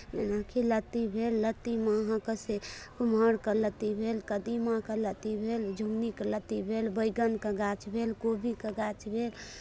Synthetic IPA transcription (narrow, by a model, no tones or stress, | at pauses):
menakʰilət̪ibʱelːət̪imaɦãkəsekuməɽkələt̪ibʱelkəd̪imãkələt̪ibʱeld͡ʒʱuɡnikələt̪ibʱelbəjɡənkəɡat͡ʃbʱelkobʱikəɡat͡ʃbʱel